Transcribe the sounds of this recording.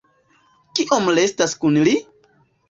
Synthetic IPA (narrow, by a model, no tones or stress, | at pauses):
kiʔo̞mlestaskunli